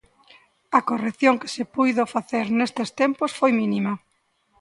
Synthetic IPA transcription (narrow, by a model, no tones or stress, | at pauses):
ɐkoreθjoŋkesepujðofaθeɾnest̪est̪emposfojminimɐ